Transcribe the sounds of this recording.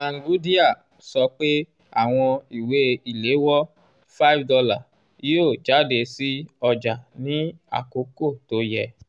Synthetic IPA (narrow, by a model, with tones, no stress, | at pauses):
ã˨ŋ˨ɡu˨˦di˦a˦˨ | sɔ˧k͡pe˦ | a̰˦˨w̃ɔ̃˧i˨we˨˦i˨le˨˦wɔ˦ | fa˦i˦fdɔ˧la˦˨ | i˦o˦˨d͡ʒa˨˦de˨si˦ɔ˧d͡ʒa˨nĩ˨˦a̰˦˨ko˨˦ko˦˨to˧˦jɛ˨